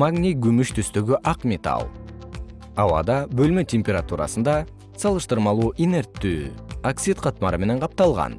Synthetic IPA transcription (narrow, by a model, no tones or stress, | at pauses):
maɡnʲiɡymyʃt̪ʰyst̪øɡyʔɑqmʲet̪ɑ̰lˠ | ɑwɑ̰d̪ɑbølmøtʲemʲpʲeɾat̪uɾɑ̰sənd̪ɑ | sɑlˠɯʃt̪ɯɾmɑlˠuːʔine̞ɾt̪ːy̰ːaksit̪qʰɑt̪mɑɾɯme̞ne̞ɴqʰɑp̚t̪ɑlˠʁɑ̰n